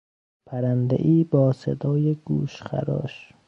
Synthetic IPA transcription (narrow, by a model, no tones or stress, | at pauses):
pʰæɾænd̪ḛʔiːbɒːsḛd̪ɒːjeɡ̥uːʃxæ̰ɾɒ̰ːʃ